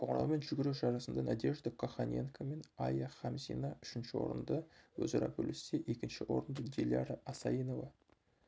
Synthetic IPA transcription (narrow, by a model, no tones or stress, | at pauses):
oɴɾɑ̰lˠme̞nʒʏɡʲɪɾuʒɑɾɑsənd̪ɑnæd̪e̞ʒd̪əkʰoχanʲenkʰame̞nɑjaχɑmzḭnɑʏ̥ʃɪnʃɪwo̞̰ɾə̰nd̪əwɵ̰zɑɾɑ̰bʰʲɵlʔɪseʔe̞kʲɪnʃɪwʔo̞̰ɾənd̪əd̪ʲelʲjaɾaʔɑsɑjino̞vɑ